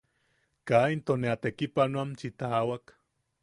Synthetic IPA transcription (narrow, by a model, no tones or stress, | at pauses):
kaint̪oneat̪ekipanoamt͡ʃit̪awak